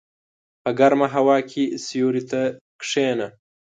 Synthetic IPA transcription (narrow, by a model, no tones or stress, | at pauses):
pəɡaɾmaɦawɑːkʰʲisijuɾit̪akʂeːna